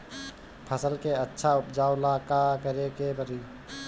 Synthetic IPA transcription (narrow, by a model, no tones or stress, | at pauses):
pʰəsəlkeətːʃʰaʊpd͡ʒaːʊlakakəɾekepəɾiː